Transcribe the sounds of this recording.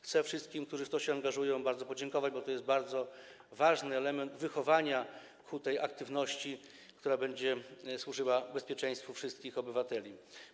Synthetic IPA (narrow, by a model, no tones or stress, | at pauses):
xt̪sɛfʂɘst̪kʲimk̚t̪uʐɘft̪ɔɕɛaŋɡaʐujɔ̃w̃baɾd̪zɔpɔd͡ʑɛŋkɔvad͡ʑbɔt̪ɔjɛsd̪baɾd̪zɔ | vaʐnɘɛlɛmɛnd̪vɘxɔvaɲa | kʰut̪ɛjʔakt̪ɘvnɔɕt͡ɕi | kt̪uɾabɛɲd͡ʑɛswuʐɘwabɛspʲjɛt͡ʂɛ̃j̃st̪fufʂɘst̪̚kʲixɔbɘvat̪ɛlʲi